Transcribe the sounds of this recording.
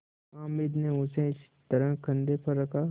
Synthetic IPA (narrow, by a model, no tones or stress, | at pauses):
ãːmɪd̪neʊ̃sẽɪs | t̪ɐɾəkʰɐ̃nd̪epɐɾːɐkʰa